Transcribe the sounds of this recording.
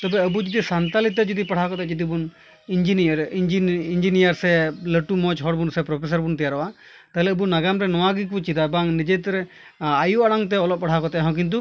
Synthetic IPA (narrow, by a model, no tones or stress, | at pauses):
t̪ɔbɛəbud͡ʒɔd̪isant̪alit̪ːɛd͡ʒɔd̪ipaɽʰakɔt̪ɛʔd͡ʒɔd̪ibun | ind͡ʒinɾd͡ʒiind͡ʒinijaɾsɛləʈumɔt͡ʃɦɔɽbunsɛpɾɔpʰes̬aɾbunt̪ijaɾɔʔa | t̪aɦɪlɛəbunaɡamɾɛnɔwaɡikut͡ʃid̪abaŋnid͡ʒet̪ɾɛ | ajuʔaɽaŋt̪̬ɛɔlɔp̚paɽʰakɔt̪ɛʔaɦɔ̃k̬int̪̬u